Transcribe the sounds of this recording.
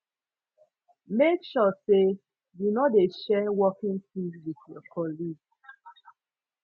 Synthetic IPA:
mekʃɔse | junɔdeʃɛwɔkĩŋtĩwiθjɔkʰɔliɡ

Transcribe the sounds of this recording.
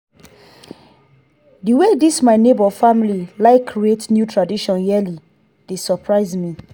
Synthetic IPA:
diwedismaɪnebɔfamlilaɪkʰːɹietnjutɹadiʃɔ̃njɛli | d̥esɔpʰɹaɪzmi

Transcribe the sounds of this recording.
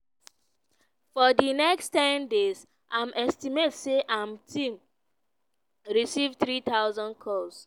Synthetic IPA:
fɔdinɛkstɛ̃ndez | ʔãmɛstimetseʔãmtĩm | ɹisivtɾit̪aʊzɔ̃nkʰɔs

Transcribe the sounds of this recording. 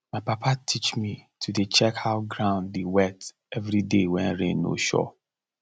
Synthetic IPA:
maɪpapʰatʰit͡ʃmitʰudet͡ʃɛkhaʊɡɹãʊ̃ndewɛt | ɛvɾidewɛ̃nɹḛ̃nːo̰ʃɔ̰

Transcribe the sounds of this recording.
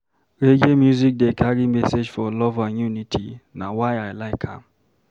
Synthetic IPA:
ɾed͡ʒemjuzik̚dekʰaɾimesed͡ʒfɔlɔvajunitʰḭna̰wajajlaɪkʰa̰m

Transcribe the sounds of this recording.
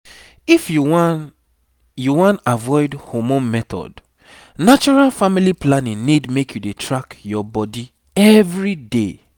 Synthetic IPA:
ifjuw | juwãntavɔɪdhomõmɛt̪ɔ̰d | nat͡ʃɔɹalfamiliplanĩŋnidmekjudetʰɹakjɔbɔdi | ɛvɹide

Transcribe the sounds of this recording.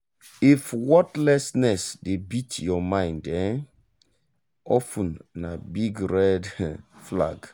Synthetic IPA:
ifwɔtlɛsnɛsdebitʰjɔmãɪ̃ndɛn | ɔfũnːabiɡɹɛdfla̰ɡ

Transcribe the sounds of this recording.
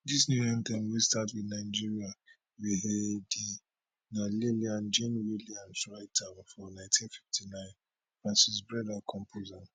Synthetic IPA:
disnujãnt̪ɛ̃nwistatwinaɪd͡ʒiɹia | wiɦedi | naleliãnd͡ʒẽnwiliãnsɹaɪtʰanfɔnãntʰĩnfiftʰinãɪ̃n | fɹãnsis̬bɹɛdakʰɔ̃mpʰozan

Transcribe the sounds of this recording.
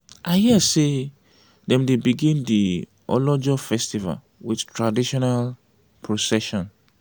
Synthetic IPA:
ʔaɪhiase | dɛ̃mdebiɡĩndi | ʔɔ̰lɔd͡ʒɔfɛstiva̰l | wiθtʰɹadiʃɔnal | pʰɹosɛʃɔ̃n

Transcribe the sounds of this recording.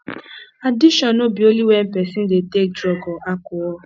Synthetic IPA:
adɪʃɔnobioliwem̩pɛsɪn̩detek̚dɾɔɡɔʔakʊɔ

